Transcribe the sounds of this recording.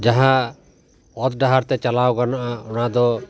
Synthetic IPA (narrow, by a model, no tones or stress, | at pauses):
d͡ʒaɦã | ɔt̪ɖaɦaɾt̪ɛt͡ʃalawkaɾnaʔaɔɽ̃ad̪ɔ